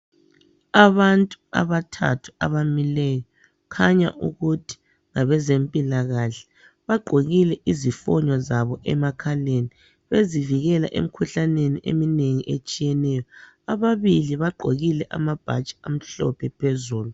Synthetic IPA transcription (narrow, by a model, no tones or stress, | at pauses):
aβantʼua̰βatʰa̰tʰu̥a̰βamilɛjɔ | kʰaɲa̰ʔṵɣutʰi̥ | ŋaβɛzempʼilaɣaɬɛ̥ | βaɡ͡ǃʱoɣilɛʔizifɔɲɔzaβɔʔɛmakʰaleni | βeziviɣɛla̰ʔḛm̩kʰuɬaneniʔḛmineŋiʔet͡ʃʼijɛnɛjɔ | aβaβiliβaǃʱoɣilɛʔa̰mab̥ʱat͡ʃʼi̥am̩ɬɔ̰pʰɛpʰezuːlu